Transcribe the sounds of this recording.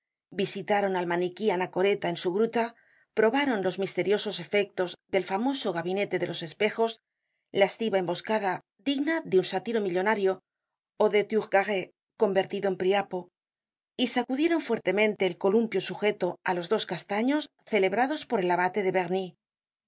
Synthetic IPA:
bisit̪aɾo̞nalmanikianako̞ɾe̞t̪aensuɣɾut̪a | pɾo̞βaɾo̞nlo̞zmist̪e̞ɾjo̞so̞se̞fe̞k̚t̪o̞zðe̞lfamo̞so̞ɣ̞aβine̞t̪e̞ðe̞lo̞se̞spe̞xo̞z | laest̪iβae̞mbo̞skaða | ðiɣnaðeunsat̪iɾo̞miʎo̞naɾjo̞ | oðe̞t̪juɣɡaɣe | ko̞mbe̞ɾt̪iðoempɾiapo̞ | isakuðje̞ɾo̞ɱfwe̞ɾt̪e̞mẽnt̪e̞ːlko̞lumpjo̞suxe̞t̪o̞alo̞zðo̞skast̪aɲo̞s | θe̞le̞βɾaðo̞spo̞ɾe̞laβat̪e̞ðe̞βe̞ɣni

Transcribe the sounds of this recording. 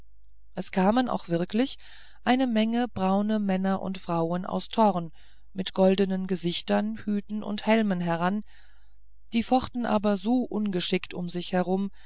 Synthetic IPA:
ʔɛskʰaːməna̰ʊxv̥ɪɐklɪç | ʔaɪnəmɛŋəb̥ʁaʊnəmɛnɐʔʊ̰ntfʁ̥aʊənʔa̰ʊstʰɔʁn | mɪtɡ̥ɔldənənɡəzɪçtɐnhyːtn̩ʔʊ̰nthɛlmənɦɛɐʁ̞an | d̥iːfɔχtn̩ʔa̰ːbɐzoːʔʊnɡəʃɪktʊmzɪçhɛʁ̞ʊm

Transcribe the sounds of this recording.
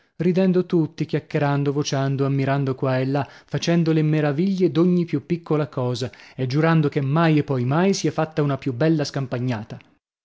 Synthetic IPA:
rid̪ɛnd̪ot̪ut̪ːikjakːeɾand̪ovot͡ʃand̪oamːiɾand̪okwaelːafat͡ʃɛnd̪olemeɾaviʎːed̪oɲːipjupːikːolakɔːzaed͡ʒːuɾand̪okemːajepːɔjmajsiɛfat̪ːaunapjubːɛlːaskampaɲːaːt̪a

